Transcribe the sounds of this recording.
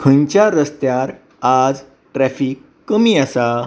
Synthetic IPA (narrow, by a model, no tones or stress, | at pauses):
kʰəɲt͡ɕaɾəst̪jaɾ | ad͡z | ʈɾɛfiːkːəmiːasa